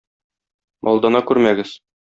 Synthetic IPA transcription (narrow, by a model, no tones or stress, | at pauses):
mʔɒlˠd̪ɑnɑkʉɾmæɡɘz